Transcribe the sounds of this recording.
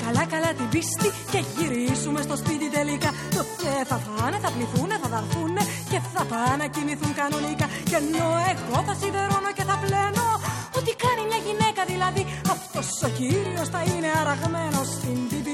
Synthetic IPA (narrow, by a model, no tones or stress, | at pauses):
kɐlɐkɐlɐt̪ibist̪ice̞ʝiɾizume̞st̪o̞spit̪it̪e̞likɐ | t̪oceθɐθɐne̞θɐpliθune̞θɐðɐɾθunːe̞ | ce̞θɐpɐnɐcimiθuŋkɐno̞nikɐ | ce̞no̞e̞ɣo̞θɐsinðeɾono̞ce̞θɐple̞no̞ | ot̪ikɐnimɲɐʝine̞kɐðilɐði | ɐft̪o̞sociɾio̞sθɐine̞ɐɾɐɣme̞no̞stind̪ibi